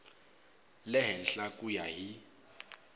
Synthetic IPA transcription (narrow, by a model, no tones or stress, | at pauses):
lɛɦɛn̩ɬakʼujaɦi